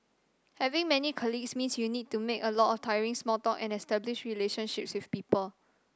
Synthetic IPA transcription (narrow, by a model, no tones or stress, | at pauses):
hɛvĩŋmɛnikʰɔliɡsmĩnsjunid̚tumekəlɔtɔftʰajəɹĩŋsmɔltɔkɛ̃nɛstɛbliʃɹileʃə̃nʃip̚swifpiːpəl